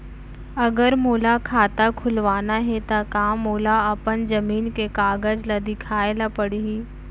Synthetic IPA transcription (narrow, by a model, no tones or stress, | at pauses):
ɐɡəɾmoːlakʰaːt̪akʰʊlʋaːnaɦɛt̪akaːmːoːlaɐpənd͡ʒɐmiːnkekaːɡəd͡ʒlad̪ɪkʰaːelapɐɽiɦiː